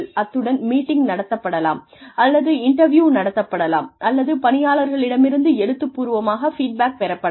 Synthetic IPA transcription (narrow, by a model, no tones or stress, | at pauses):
ɭɐt̪ːɯɽɐnmiːʈːɪŋɡnɐɽɐt̪ːɐpːɐɽɐla̰ːm | ɐlːɐðɯɪɳʈɐɾʋjuːnɐɽɐt̪ːɐpːɐɽɐla̰ːmʔɐlːɐðɯpɐnɪjaːɭɐɾɣɐɭɪɽɐmɪɾɯnd̪ɯɛɽɯt̪ːɯpːuːɾɯʋɐmaːɣɐfiːʈ̚baːk̚pɛɾɐpːɐɽ